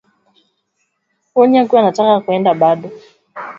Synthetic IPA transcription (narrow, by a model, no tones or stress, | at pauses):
ɔɲiakuwanatakakuɛndaɓaɗɔ